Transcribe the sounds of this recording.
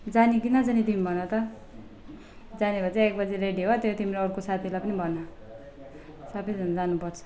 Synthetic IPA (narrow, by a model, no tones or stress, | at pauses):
d͡zanikinʌt͡sʌnit̪imibʱʌnʌt̪ʌ | d͡zanibʱʌt͡saek̚bʌd͡zireɖiɦot̪jot̪imiɾʌɾkosat̪ʰilapʌnibʱʌnʌ | sʌbʌjd͡zʱʌnʌd͡zanupʌrt͡sʰʌ̥